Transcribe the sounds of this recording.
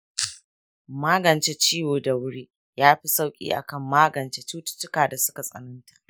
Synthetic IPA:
maː˦ɡɐ˨nt͡ʃe˦t͡ʃiː˦woː˨da˨wʊ˦ɽiː˦ | jaː˦ɸi˦sa˦wkʲʼḭː˦ʔa̰˨kɐ˦˨mːaː˦ɡɐ˨nt͡ʃe˦t͡ʃuː˦tʊ̥˦t͡ʃːɪ˦kaː˨da˨sʊ˦ka˨sʼɐ̰˨nɐ˦ntḁ˨ʔ

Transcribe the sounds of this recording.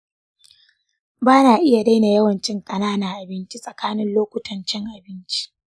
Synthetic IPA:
baː˦naː˨ʔɪ˦ja˨da˦jna˨jɐ˦wɐ˨nt͡ʃɪ˦ŋkʼɐ˨naː˦naː˨ʔa˨bɪ˦nt͡ʃi˦sʼɐ˨kaː˦nɪ˦nloː˦kʷʊ˦tʰɐ˨nt͡ʃɪ˦ŋʔa˨bɪ˦nt͡ʃi̥˦ʔ

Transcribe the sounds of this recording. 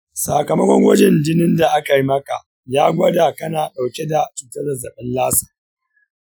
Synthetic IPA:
saː˨kɐ˨mɐ˦kʷɔ˦ŋwɐ˦d͡ʒɛ˨nd͡ʒɪ˦nɪ˦nda˨ʔa˦ka˨ji˦mɐ˦ka̰˨ | jaː˦ɡʷɐ˦da˨kɐ˦naː˨ɗa˨wkʲe˦da˨t͡ʃuː˨tɐ˦da˨za˨ɓɛ˦nlaː˦sa˨

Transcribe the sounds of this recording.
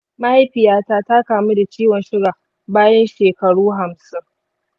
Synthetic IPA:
ma˦ha˦jɸɪ˨jaː˦taː˦ta˦kaː˨mu˦da˨t͡ʃiː˦wɔ˨nʃɪ˦ɽa˨ | baː˦jɐ˦nʃeː˨kɐ˨ɽuː˦ɦa˨msɪ˦ŋ

